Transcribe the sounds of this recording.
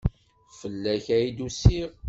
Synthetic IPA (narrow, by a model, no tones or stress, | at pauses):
fəlːæçæjid̪usiʁ